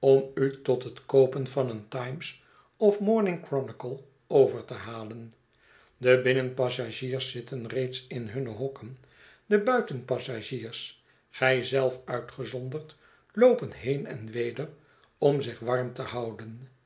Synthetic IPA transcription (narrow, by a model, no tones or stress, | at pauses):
ɔmytɔtɦətkowpənvɑnəntɑjms | ɔfmɔɹnɪŋkrɔnɪkəlˠ | owvəɹtəɦaːlən | dəbɪnənpɑsaʒiːɹsːɪtʰənrejtsɪnɦɵnəɦɔkən | dəbœɥtənpɑsaʒiːɹs | χɛjzɛlˠfœɥtχəzɔndəɹt | lowpənɦejnɛ̰nʋejdər | ɔmzɪχʋɑɹmtəhɑwdən